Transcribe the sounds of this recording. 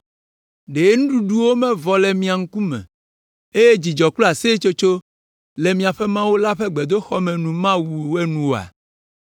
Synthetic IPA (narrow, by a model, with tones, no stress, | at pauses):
ɖe˨˦nũ˦ɖu˦ɖu˦wo˦mɛ̃˦vɔ˨lɛ˨mĩ˦a˨ŋ̩˦ku˦mɛ̰̃˨ | e˦je˦d͡ʑi˨d͡ʒɔ˨klɔ˦a˨se˦t͡ʃo˦t͡ʃo˦ | le˨mĩ˨a˨ɸe˦mã˦wo˦la˦ɸe˦ɡ͡be˨d̪o˦xɔ˦mɛ̃˨nũ˨mã˦wu˨we˦nũ˦wo˨a̰˨